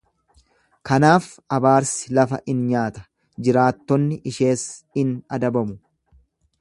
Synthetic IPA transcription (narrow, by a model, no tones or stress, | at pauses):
kɐnaːf | ɐbaːɾsɪlɐfɐ̰ʔɪnɲaːt̪ɐ̥ | d͡ʒɪɾaːt̪ːɔnːɪʔɪʃe̞ːsɪnɐd̪ɐbɐmʊ